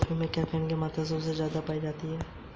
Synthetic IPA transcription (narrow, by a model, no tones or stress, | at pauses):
fimẽkɛːpʰenkemaːt̪as̬eʊsezjaːd̪apaːid͡ʒaːt̪iɦɛː